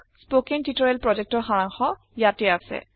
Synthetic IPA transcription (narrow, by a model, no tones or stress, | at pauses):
spokentitoɹɛlpɹɔd͡ʒek̚tɔɹxaɹaŋxɔ | jatɛasɛ̰